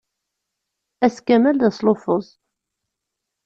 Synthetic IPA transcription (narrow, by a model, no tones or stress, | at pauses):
æskæmælðæsˤlofəzˤ